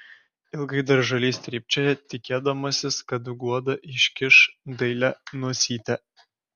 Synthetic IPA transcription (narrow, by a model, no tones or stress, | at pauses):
ɪlˠɡɐɪd̪ɐɾʒɐlʲiːsʲt̪ʲɾʲiːpʲt͡ʃʲɛjɛt̪ʲɪkʲeːd̪ɐmɐsʲɪskɐd̪ʊɡuɔd̪ɐʔɪʃʲkʲɪʃd̪ɐɪlʲænuɔsʲiːt̪ʲɛ